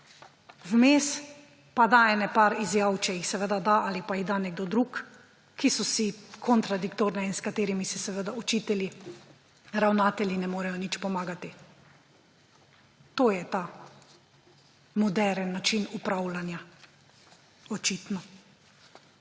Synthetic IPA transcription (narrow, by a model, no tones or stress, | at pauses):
wmeːs | pad̪aɛːnɛpaɾizjawt͡ʃɛjixsɛʋed̪ad̪aʔalipaiɣd̪anɛɡ̚d̪ɔd̪ɾuːk | kːisɔsikʰɔnt̪ɾad̪ikt̪oːɾnɛinskat̪eːɾimisɛsɛʋəd̪aɔt͡ʃiːt̪ɛli | ɾawnaːt̪ɛlʲjinɛmoːɾɛjɔnit͡ʃpɔmaːɡat̪i | t̪oːjɛt̪a | mɔd̪ɛɾənːat͡ʃinupɾaːwlanja | ɔt͡ʃiːt̪nɔ